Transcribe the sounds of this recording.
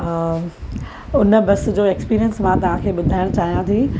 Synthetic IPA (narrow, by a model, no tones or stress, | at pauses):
ʊnə̆bɐs̆d͡ʑoːekspiːɾijənsmãt̪ɐʋ̤ãkʰeːɓʊd̪ʱaːɪɽ̃t͡ɕaːɦijãt̪ʰiː